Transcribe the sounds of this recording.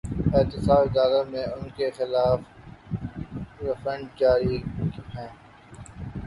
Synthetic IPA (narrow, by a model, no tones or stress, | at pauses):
ɪːt̪ɪsaːbɪd̪aːlamẽʊnkexɪlaːf | ɾɪfə̃ɳɖ̚t͡ʃaːɾiːɦɛ̃ː